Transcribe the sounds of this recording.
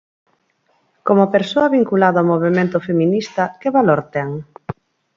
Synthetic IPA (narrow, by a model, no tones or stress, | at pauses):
komopeɾsoɐβiŋkulaðawmoβemẽnt̪ʊfemĩnist̪ɐkeβaloɾt̪ɛŋ